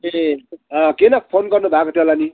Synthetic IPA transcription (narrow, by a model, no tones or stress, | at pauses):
eʌkenʌpʰonɡʌrnubʱakot̪elani